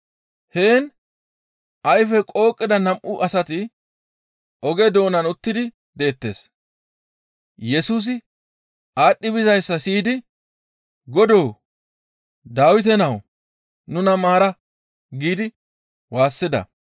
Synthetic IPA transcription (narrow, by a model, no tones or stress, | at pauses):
he̞ːn | ʔɐjfɛkʼo̞ːkʼːɪd̪ɐnɐmʔʊʔɐsɐt̪ɪ | ʔɔɡɛd̪o̞ːnɐnʊt̪ːɪd̪ɪ | d̪e̞ːt̪ːe̞̰ːs | jɛsuːs̬ɪ | ʔaːɗːɪbɪzɐjsːɐsiːd̪ɪ | ɡɔd̪o̞ː | d̪aːwɪt̪̬ɛnɐw | nʊnɐmaːɾɐ | ɡiːd̪ɪ | waːsːɪd̪ɐ̰